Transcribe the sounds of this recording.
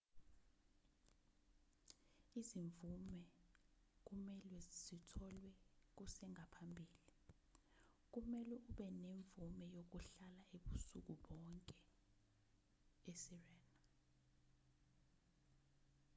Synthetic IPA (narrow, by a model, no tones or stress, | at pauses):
iziɱvumɛ | k̬umɛlwɛz̥itʰɔlwɛk̬usɛŋapʰambʱiːli | k̬umɛlɛuɓɛneɱvumɛjok̬uɬalaeɓusṵk̬uɓɔŋkʼɛ | esirɛːna